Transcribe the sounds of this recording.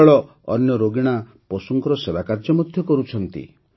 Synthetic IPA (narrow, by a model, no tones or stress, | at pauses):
ɭɔ | ɔnjɔɾoɡiɽ̃a | pɔsuŋkɔɾɔsebakaɾd͡ʒɔmud̪ʱjɔkɔɾut͡ʃʰɔnt̪ḭ